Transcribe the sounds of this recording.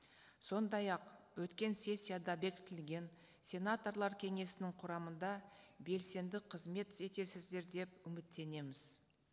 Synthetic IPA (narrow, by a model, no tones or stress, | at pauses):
so̞nd̪ɑjɑqwɵt̪kʲe̞nsʲe̞sʲːijad̪ɑbe̞kʲɪ̥t̪ɪlɡʲe̞n | sʲe̞nat̪o̞rlˠɑɾkʲʰe̞ŋe̞sɪnɪŋqʰʊɾɑmənd̪ɑbe̞lse̞nd̪ɪqʰəzme̞t̪se̞t̪e̞sɪzd̪e̞ɾd̪e̞pʏmɪt̪ːe̞ne̞mɪz̥